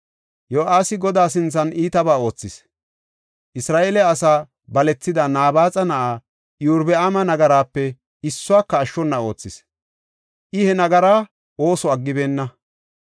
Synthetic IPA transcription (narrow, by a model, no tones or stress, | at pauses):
joːʔaːsɪɡɔd̪aːs̬ɪnt͡sːɐnʔiːt̪ɐbaːo̞ːt͡sːɪs | ʔɪsɾaːʔeːlɛɐsaː | bɐlɛt͡sːɪd̪ɐnaːbaːt͡sʼɐnɐʔaː | juːɾbɛamɐnɐɡɐɾaːpːɛ | ɪsːʊaːkːɐːʃːɔnːɐo̞̰ːt͡sːɪs | ʔɪhɛnɐɡɐɾaː | ʔo̞ːsɔɐɡːɪbe̞ːnːɐ